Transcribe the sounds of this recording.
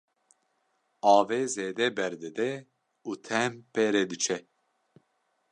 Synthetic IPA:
ɑːveːzeːd̪ɛbɛɾd̪ɨd̪ɛ | uːt̪ʰɛmpɛːɾeːd̪ɨt͡ʃʰɛ

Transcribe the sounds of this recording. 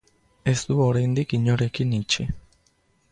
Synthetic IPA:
esd̪uoɾend̪ikiɲoɾekinĩt͡ʃi

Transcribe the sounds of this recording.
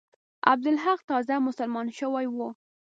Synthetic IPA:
a̰b̚d̪ʊlɦaqt̪ɑzamʊsalmɑnʃəwajwu

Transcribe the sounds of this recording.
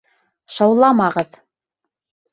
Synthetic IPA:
ʃɑwlˠɑmɑʁɤð

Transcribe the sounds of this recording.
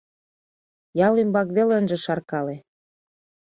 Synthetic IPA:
jɑlimbɑkβelənʒĕʃɑrkɑle

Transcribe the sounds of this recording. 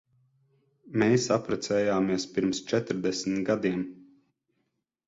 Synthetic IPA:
meːsapɾɛt̪sɛːjaːmiɛspiɾmst͡ʃɛt̪ɾd̪ɛsmt̪ɡad̪iɛm

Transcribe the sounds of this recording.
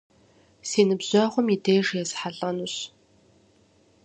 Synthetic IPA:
seːnɨbz̥ɔχʷʊmideːʐjɛzħaɮʼɐnuɕ

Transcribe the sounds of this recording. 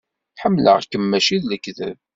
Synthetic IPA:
ħəmːlə̰ʁkːəmːæʃiðləkːðə̰v

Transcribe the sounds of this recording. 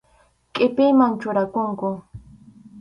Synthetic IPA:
kʼɪpɪmant͡ʃʊɾakʊŋkʊ

